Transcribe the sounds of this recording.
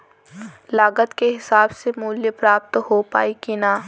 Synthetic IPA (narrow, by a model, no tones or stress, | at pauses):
laːɡət̪keɦɪsaːbsemuːljepɾaːp̚t̪ɦopa̰ːikinaː